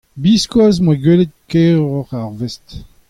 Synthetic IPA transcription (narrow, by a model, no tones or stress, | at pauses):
biskwaz̬mwaɡelet̪̚keʁɔʁaʁvɛst